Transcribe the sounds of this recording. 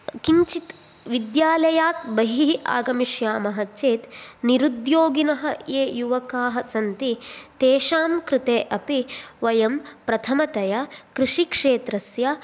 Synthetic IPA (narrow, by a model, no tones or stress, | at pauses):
kiɲt͡ʃit̪ | ʋid̪jaːlɐjaːt̪̚bɐɦiʔa̰ːɡɐmiʂjaːmɐɦɐt͡ʃeːt̪niɾud̪joːɡinɐɦɐeːjuʋɐkaːɦɐsɐnt̪it̪eːʃaːmkɾɪt̪eːʔɐpiʋɐjɐmpɾɐt̪ʰɐmɐt̪ɐjɐkɾɪʂikʂeːt̪ɾɐsjɐ